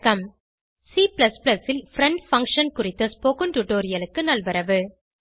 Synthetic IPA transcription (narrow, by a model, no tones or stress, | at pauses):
kɐm | siːplɐsplɐsɪlfɾɛɳɖfɐŋkʂɐnkʊrɪt̪ːɐspoːkɯmʈʊʈoːɾɪjɐlɯkːɯnɐlʋɐɾɐʋɯ